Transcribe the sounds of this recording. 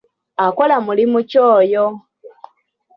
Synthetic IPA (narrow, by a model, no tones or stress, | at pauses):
ako̞lamulimucoːjo